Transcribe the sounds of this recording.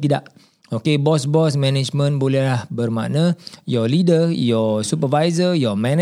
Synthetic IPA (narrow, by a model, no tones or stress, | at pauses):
t̪ida̰ʔ | okebɔsbɔsmɛ̃nɛd͡ʒmə̃nbolɛɦlahbərma̰nãjɔlidəjɔsupəvajzəjɔmɛ̃n